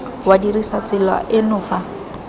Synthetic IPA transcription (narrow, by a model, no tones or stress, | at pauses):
wadirisat͡sɪla̰ʔɪnʊːfa